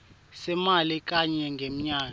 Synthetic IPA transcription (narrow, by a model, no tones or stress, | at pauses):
sɛmalik̬ʼaɲɛŋɡʱem̩ɲaːk